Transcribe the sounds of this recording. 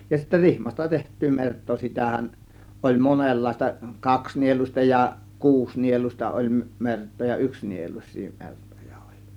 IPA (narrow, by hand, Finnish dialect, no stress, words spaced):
jɑ sitːæ rihmɑstɑ tehtˑyː mertˑoː sitæhæn olʲ monelːɑistɑ kɑksnieluĭstɑ jɑ kuːsnieluĭstɑ olʲ mertˑoː jɑ yksnieluĭsˑiː mertojɑ olʲ